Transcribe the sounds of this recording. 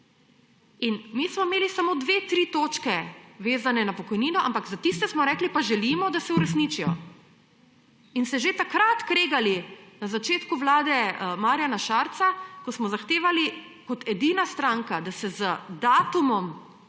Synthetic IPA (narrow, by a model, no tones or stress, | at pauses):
inmiːsmɔimeːlisamoːd̪ʋeːt̪ɾit̪oːt͡ʃkɛʋeːzanɛnapɔkɔjniːnɔa̰mpakzat̪is̬t̪ɛsmɔɾɛːklipaʒɛlimɔd̪asɛuɾɛsnit͡ʃijɔ̰ | insɛʒet̪akɾat̪kɾeːɡalinazat͡ʃeːt̪kuʋlaːd̪ɛmaːɾjanaʃaːɾt̪sakɔsmɔzaxt̪eːʋali | kɔt̪ɛd̪inast̪ɾaŋkad̪asɛzəd̪aːt̪umɔm